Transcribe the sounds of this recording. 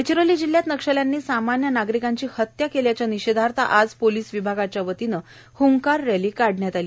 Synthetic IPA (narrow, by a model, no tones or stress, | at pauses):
et͡ɕɾoliːd͡ʑilːjat̪nəkʂəljanːiːsamanjənaɡɾikaɲt͡ɕiːhət̪jakeljat͡ɕjaniɕed̪ʱaɾt̪a̰ʔad͡zpoliːsʋibʱaɡat͡ɕjaʋət̪inə | huŋkaɾːaliːkaɽ̤ɳjat̪aliː